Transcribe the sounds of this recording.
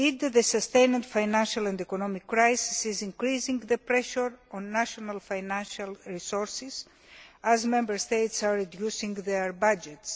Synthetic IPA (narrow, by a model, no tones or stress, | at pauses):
it̪ðəsəst̪ẽjnãnd̪fajnãnʃalãnd̪ekonɔmikːɾajsisizĩŋkɾizĩŋɡðəpɾɛʃəɾɔ̃nːaʃonalfajnãnʃalɹisoɹsis | azmɛ̃mbəɾst̪ejt̪saɹid̪jusĩŋɡðeɹbad͡ʒet̪s